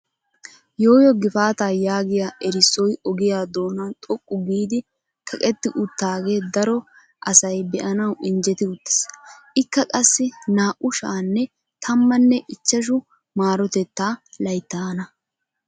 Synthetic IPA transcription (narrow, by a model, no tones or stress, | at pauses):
jo̞ːjɔɡɪfaːt̪aːjaːɡɪjaʔɛɾɪsːɔjɔɡɪjaːd̪o̞ːnaːt̪ʼɔkʼːʊɡiːd̪ɪ | kʰɐkʼɛt̪ːɪʔʊt̪ːaːɡeːd̪ɐɾɔ | ʔɐsɐjbɛʔɐnɐwɪnd͡ʒɛt̪ɪʊt̪ːɪ̥sʔɪkːɐkʼɐsːɪnaːʔʊʃaːnːɛ | t̪ʰɐmːɐnːɛʔɪt͡ʃːɐʃ̬ʊ | maːɾɔt̪ɛt̪ːaːlɐjt̪ːaːnɐ